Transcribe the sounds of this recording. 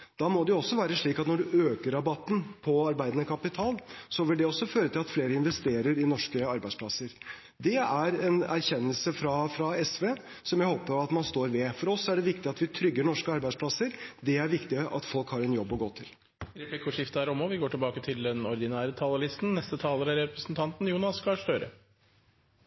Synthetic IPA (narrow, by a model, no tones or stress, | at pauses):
d̪̥ɑːmod̪ɛʊɔsːɔʋæːɾəʂɭiːkɑt̪nɔɖʉʔøːkəɾːɑbɑt̪ːn̩pʰɔɑɾbæɪd̪ənəkʰɑpɪt̪ʰɑːlsɔʋɪld̪ɛɔsːɔføːɾət̪ʰɪlɑt̪fleːɾəɪnʋɛst̪eːɾəɾɪnɔʂkəɑɾbæɪspʰlɑsəɾ | d̪ɛæɾɛnæɾçɛnːəlsəfɾɑfɾɑɛsʋeː | sɔmjæɪhoːpəɾɑt̪mɑnst̪oːɾʋɛfɔɾɔsːæɖɛʋɪkt̪ɪɑt̪ʋɪt̪ʰɾʏɡːəɳɔʂkəɑɾbæɪdspʰlɑsəɾd̪ɛæɾʋɪkt̪ɪəʔɑ̰t̪fɔlkhɑɾɛnjɔbːɔɡoːt̪ʰɪl | ɾɛpʰlɪkːɔʂɪft̪əhæːɾɔmoːʋɪɡoːʈʰɪlbɑːkət̪ʰɪld̪ɛnɔɾd̪ɪnæːɾət̪ʰɑːləlɪst̪n̩nɛst̪ət̪ʰɑːləɾæɾɛpɾəsənt̪ʰɑnt̪njuːnɑskɑʂʈøːɾə̰